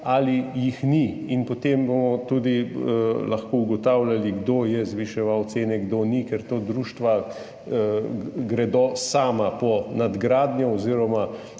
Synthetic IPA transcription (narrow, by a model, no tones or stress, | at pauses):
alijixni | inpɔt̪embomɔt̪ud̪i | lɐxkouɡɔt̪awljaliɡd̪oːjɛzʋiʃɛʋawt̪seːnɛɡd̪oːnikɛɾt̪od̪ɾuːʃt̪ʋa | ɡɾɛd̪osaːmapɔnad̪ɡɾaːd̪njɔɔziːɾɔma